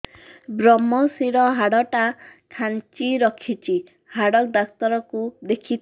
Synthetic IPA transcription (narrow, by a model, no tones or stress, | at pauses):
bɾɔmɔsiɾɔɦaɽɔʈakʰant͡ʃiɾɔkʰit͡ʃʰi | haɽɔk̚d̪ast̪ɔɾɔkud̪ekʰit̪ʰ